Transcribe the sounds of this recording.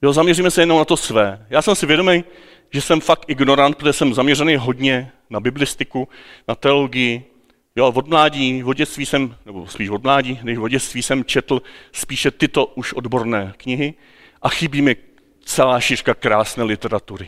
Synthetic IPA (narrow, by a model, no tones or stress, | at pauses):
jozamɲɛriːmɛsɛjɛno̞mnat̪osvɛːjaːsɛmsɪvjɛdo̞mɛj | ʒɛsɛmfak̚t̪ʔɪɡno̞ɾant̪pɾot̪oʒɛsɛmzamɲɛrɛnejɦo̞dɲɛ | nabɪblɪst̪ɪkunat̪ɛoloɡɪjɪ | jovo̞dmlaːɟiːvoɟɛst̪viːsɛmnɛbo̞spiːʃvo̞dmlaːɟiːnɛʃvoɟɛst̪viːsɛmt͡ʃɛt̪l̩spiːʃɛt̪ɪt̪o̞ʔuʃʔodbo̞ɾnɛːkɲɪɦɪ | ʔaxɪbiːmɪ | t͡sɛlaːʃɪrkakɾaːsnɛːlɪt̪ɛɾat̪uɾɪ